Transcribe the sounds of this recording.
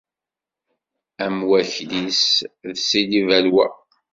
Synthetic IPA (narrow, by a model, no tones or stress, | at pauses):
æmwæçlisðsilivælwæ̰